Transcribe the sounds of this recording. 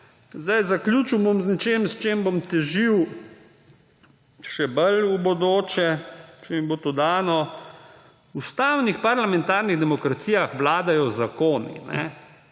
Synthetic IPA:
zd̪ajzaklʲjuːt͡ʃuwbomznɛt͡ʃeːmst͡ʃeːmbomt̪ɛʒiw | ʃɛbəlubod̪oːt͡ʃɛt͡ʃemibot̪od̪aːnɔ | ust̪aːwnixpaɾlamɛnt̪aɾniɣd̪ɛmɔkɾat̪sijaxʋlaːd̪ajɔzakoːnḭnɛ̰

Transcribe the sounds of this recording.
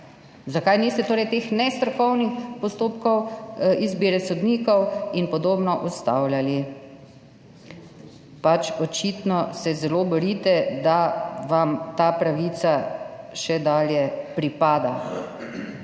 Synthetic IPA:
zakajnist̪ɛt̪oːɾɛjt̪eːxnɛst̪ɾɔkɔwnixpɔst̪oːpkɔwizbiɾɛsɔd̪niːkɔwinpɔd̪oːbnɔʔust̪awljali | pat͡ʃɔt͡ʃit̪nɔsɛzɛloːbɔɾit̪ɛd̪aʋamt̪aːpɾaʋiːt̪saʃɛd̪aːljɛpɾipaːd̪a

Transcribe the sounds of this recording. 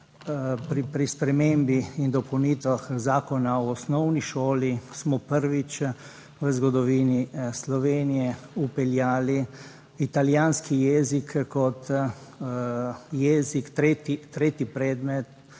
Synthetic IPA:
pɾipɾispɾɛmembiind̪ɔpɐwniːt̪ʋaxzaːkɔnaɔːsnɔwniʃoːlismɔpəɾʋit͡ʃ | ʋəzɡɔd̪ɔʋiːnislɔʋeːnijɛupɛljaːli | it̪aljaːnskijɛzikːɔt̪ | jɛːzikt̪ɾet̪it̪ɾeːt̪ipɾɛːd̪mɛt̪

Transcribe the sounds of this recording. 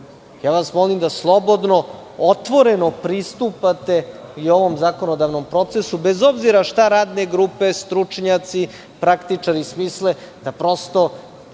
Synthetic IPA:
jaːʋasmolimd̪aslˠo̞bo̞d̪no̞ | ot̪ʋo̞ɾe̞no̞pɾist̪upat̪e̞io̞ʋo̞mzako̞nod̪aʋno̞mpɾo̞t̪se̞subezo̞bziɾaʃt̪aɾaːd̪ne̞ɡɾupe̞st̪ɾut͡ʂɲat̪si | pɾakt̪it͡ʂaɾismiːsle̞d̪̥apɾo̞st̪o̞

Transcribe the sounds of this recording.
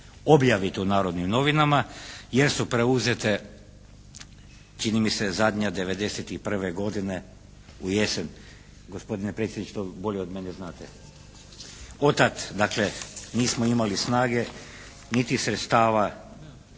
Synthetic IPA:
o̞bjaʋit̪unaːɾo̞d̪nimno̞ʋinamajeɾsupɾeuzet̪e̞ | t͡ʃinimisezad̪ɲad̪e̞ʋe̞d̪e̞set̪ipr̩ʋeɡo̞d̪ine̞ | uje̞sen | ɡo̞spo̞d̪inepɾet̪sjed̪nit͡ʃt̪obo̞ʎeo̞d̪meneznaːt̪e | o̞t̪at̪d̪akleniːsmoimalisnaːɡe̞ | nit̪isɾet̪st̪aːʋa

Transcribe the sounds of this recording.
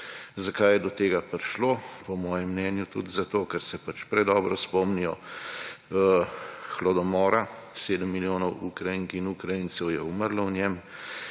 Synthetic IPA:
zakajɛd̪ɔt̪eːɡapɾiʃlopɔmɔːjɛmːnɛːnjut̪ṵd̪zat̪oːkɛɾsɛpat͡ʃpɾɛd̪ɔːbɾɔspɔmnijɔ | xlɔd̪ɔmɔːɾaseːd̪əmːiljoːnɔwukɾajiŋkinukɾajinsɛwjɛuməɾlawnjɛm

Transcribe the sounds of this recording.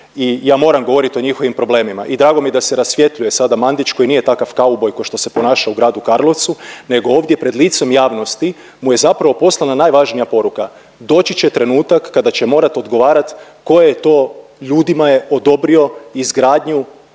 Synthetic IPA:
ijaːmo̞ːɾamɡoʋo̞ɾit̪o̞ɲixoʋimpɾo̞ble̞ːmima̰ʔid̪ɾaːɡomijed̪ase̞ɾasʋje̞t̪ʎuje̞sad̪amand̪it͡ʃko̞jinije̞t̪akafkaubo̞jkoʃt̪o̞se̞po̞naːʃauɡɾaːd̪ukaɾlo̞t̪sune̞ɡo̞oːʋd̪jepɾe̞d̪liːt̪so̞mjaːʋno̞st̪i | muje̞zapɾaʋo̞po̞slˠananajʋaʒnijapo̞ɾuka | d̪o̞ːt͡ɕit͡ɕe̞t̪ɾe̞nuːt̪akːad̪at͡ɕe̞mo̞ːɾat̪o̞d̪ɡo̞ʋaːɾat̪ | ko̞jajet̪o̞ːʎuːd̪imaje̞ʔod̪o̞bɾio̞izɡɾaːd̪ɲu

